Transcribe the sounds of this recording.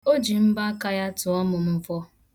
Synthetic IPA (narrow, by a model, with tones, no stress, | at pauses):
o˦d͡ʒi˨m̩˦ba˦ka˦ja˦tʊ˨ɔ˦mʊ˨m̩˦fɔ˦